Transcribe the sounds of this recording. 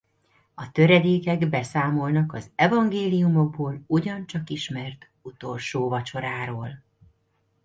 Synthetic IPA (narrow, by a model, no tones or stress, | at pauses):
ɒt̪øɾɛd̪eːkɛɡbɛsaːmo̞lnɒkɒzɛvɒŋɡeːlijumo̞ɡ̚boːluɟɒnt͡ʃɒkiʃmɛrt̪ | ut̪o̞lʃoːvɒt͡ʃo̞ɾaːɾoːl